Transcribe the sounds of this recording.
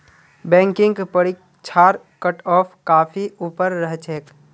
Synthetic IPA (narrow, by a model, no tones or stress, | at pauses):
bɛ̃ːŋkɪ̃ŋɡpəɽik | t͡ʃʰaːɾ | kəʈɔːpʰkaːpʰiuːpəɾːəɦt͡ʃʰeːk